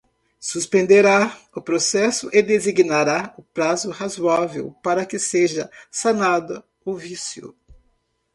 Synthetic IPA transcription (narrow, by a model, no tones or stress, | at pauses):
suspẽnd̪eɾa | ʊpɾosɛsʊʔɪd̪eziɡnaɾaʊpɾazʊhazwavḛwpaɾɐkɪseʒɐsanad̪ʊ | ovisjʊ̰